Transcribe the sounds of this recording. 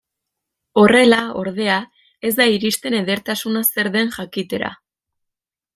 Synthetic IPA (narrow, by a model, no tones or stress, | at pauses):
o̞re̞lao̞̰ɾð̞e̞a | e̞zd̪aiɾist̪e̞ne̞ðe̞ɾt̪asunase̞ɾðe̞nʝakit̪e̞ɾa̰